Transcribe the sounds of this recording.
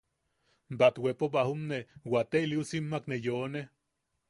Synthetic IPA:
mbat̪wepobaɦumnewat̪eiliusimːaknejone

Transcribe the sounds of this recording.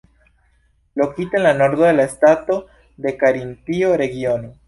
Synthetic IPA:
lo̞kit̪enlano̞ɾd̪oðelaestat̪o̞ | d̪e̞kaɾinpio̞ɾe̞ɡio̞no

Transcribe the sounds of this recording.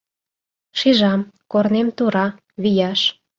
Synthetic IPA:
ʃiʒɑmkornemt̪uɾɑ | βijɑʃ

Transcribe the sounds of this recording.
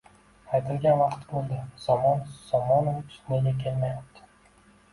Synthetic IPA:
ajt̪ʰɪlɡʲanvɑqt̪bolˠd̪ɪsɒmɒnsɒmɒnov̥neɡʲakʲʰe̞lmajap̚t̪ʰɪ̥

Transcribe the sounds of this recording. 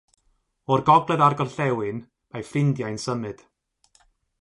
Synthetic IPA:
ɔrɡɔɡlˠɛðarɡɔrɬɛwɨn | majfrɪndjajnsəmɨd̥

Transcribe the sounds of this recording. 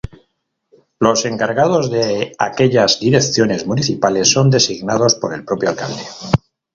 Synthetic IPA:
lo̞se̞ŋkaɾɣað̞o̞zðe̞a̰ke̞ʎazd̪iɾe̞kθjo̞ne̞zmuniθipale̞sːo̞nd̪e̞siɣnað̞o̞spo̞ɾe̞lpɾo̞pjoalka̰ld̪e̞

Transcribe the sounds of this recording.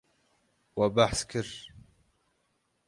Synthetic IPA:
wabaħskɪɾ

